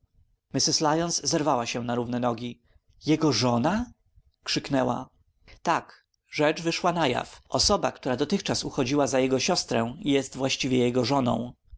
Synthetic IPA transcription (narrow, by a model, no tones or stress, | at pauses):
mɘsɘslajɔnszɛɾvawaɕɛnaɾuvnɛnɔɡʲi | jɛɡɔʐɔna | kʂɘknɛwa̰ | t̪ak | ʐɛt͡ʂvɘʂwanaja̰fʔɔsɔba̰kt̪uɾad̪ɔt̪ɘxt͡ʂasuxɔd͡ʑiwazajɛɡɔɕɔst̪ɾɛw̃ijɛst̪vwaɕt͡ɕivʲjɛjɛɡɔʐɔnɔ̰̃w̃